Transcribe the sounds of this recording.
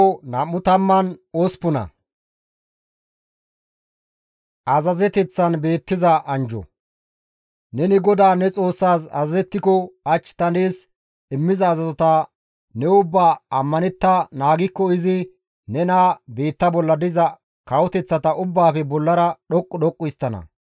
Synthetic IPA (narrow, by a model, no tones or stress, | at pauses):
nɐmːʊt̪ɐmːɐnɔspʊnɐ̰ | ʔɐzɐzɛt̪ɛt͡sːɐnbe̞ːt̪ːɪzɐʔɐnd͡ʒɔ̰ | nɛnɪɡɔd̪aːnɛt͡sʼo̞ːsːaːsɐ̰zɐzɛt̪ːɪkɔɐt͡ʃːt̪ɐneːs | ɪmːɪzɐːzɐzɔt̪a | nɛʊbːaːɐmːɐnɛt̪ːɐnaːɡɪkːɔɪzɪ | nɛnabe̞ːt̪ːɐbɔlːɐd̪ɪzɐ | kɐwɔt̪ɛt͡sːɐt̪ɐʔʊbːaːfɛbɔlːɐɾɐɗɔkʼːɔɗɔkʼːʊst̪ːɐnɐ̰